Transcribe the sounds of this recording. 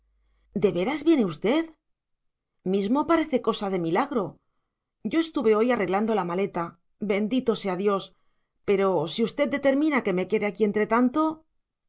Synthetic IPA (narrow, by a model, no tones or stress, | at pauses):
d̪e̞βe̞ɾazβje̞ne̞ust̪e̞ð | mizmo̞paɾe̞θe̞ko̞saðe̞milaɣɾo̞ | ʝɟ͡ʝo̞e̞st̪uβe̞o̞jare̞ɣland̪o̞lamale̞t̪a | be̞nd̪it̪o̞se̞aðjo̞s | pe̞ɾo̞siust̪eð̚d̪e̞t̪e̞ɾmĩnake̞me̞ke̞ðeakie̞nt̪ɾe̞t̪ant̪o̞